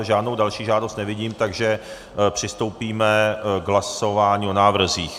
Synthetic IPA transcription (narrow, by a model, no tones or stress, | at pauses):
ʒaːdnowdalʃiːʒaːdost̪nɛvɪɟiːmt̪aɡʒɛ | pr̝̥ɪst̪o̞wpiːmɛɡɦlaso̞vaːɲiːo̞naːvr̩ziːx